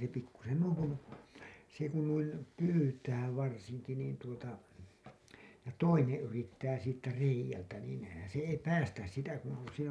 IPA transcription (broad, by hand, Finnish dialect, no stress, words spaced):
se pikːusen nuiŋ kun se kun nuin pyːtæː ʋɑrsiŋki niːn tuotɑ jɑ toinẽː yritːæː siːtːæ reijˑæltæ niːn se ei pæːstæs sitæ kun̞ se